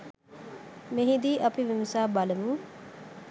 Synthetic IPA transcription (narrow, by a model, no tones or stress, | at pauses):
meɦid̪iːʔɐpiʋiməsaːbaləmuŋ